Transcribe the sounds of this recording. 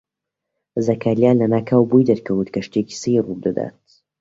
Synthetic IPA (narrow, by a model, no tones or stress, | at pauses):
zɐkʰaːljaːnlɐnaːkʰaːwbujd̪ɐɾkʰɐwɨt̪kɐʃt̪eki̥sirud̪ɨd̪a̰ːt̪̚